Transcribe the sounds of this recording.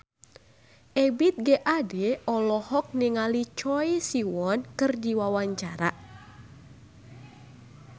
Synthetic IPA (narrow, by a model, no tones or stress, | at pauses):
ʔɛbit̪̚ɡeʔadɛɔlɔhɔk̚niŋalit͡ʃɔjsiwɔnkɨrd͡ʒiwawaɲt͡ʃaɾa̰